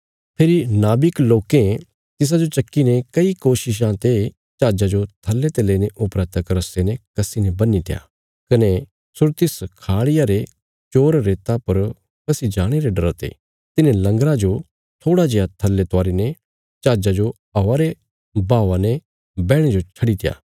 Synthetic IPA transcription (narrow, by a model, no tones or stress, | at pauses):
pʰeːɾinaːbɪkloːkẽ | t̪ɪs̬ad͡ʒot͡ʃɐkːinekɐikoːʃɪʃ̬ãt̪e | t͡ʃaːd͡ʒad͡ʒot̪ʰɐlːet̪eleːneʔʊpɾɛːt̪ɐkɾɐsenekɐsinebɐnːit̪ʰeja̰ː | kɐne | sʊɾt̪ɪskʰaːɽɪjaɾe | t͡ʃoːɾɾeːt̪apɐɾ | kɐsid͡ʒaːɽ̃eɾeɖɐɾt̪ḛ | t̪ɪnẽlɐ̃ŋɡɾad͡ʒo | t̪ʰoːɽad͡ʒejat̪ʰɐlːet̪ʊaːɾine | t͡ʃaːd͡ʒad͡ʒo | ɐːaɾe | baːʋanɛ | bɛːɽ̃ed͡ʒot͡ʃʰɐɽit̪ɪja̰ː